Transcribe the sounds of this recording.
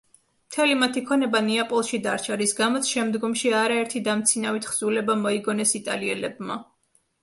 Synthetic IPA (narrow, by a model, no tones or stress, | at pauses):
mt̪ʰɛlimat̪ʰikʰɔnɛbaniapʼɔlˠʃid̪aɾt͡ʃʰaɾisɡamɔt̪sʰʃɛmd̪ɡɔmʃiaɾaɛɾt̪ʰid̪amt̪sʰinavit̪ʰχz̥ulɛbamɔiɡɔnɛsit̪ʼa̰liɛlɛbma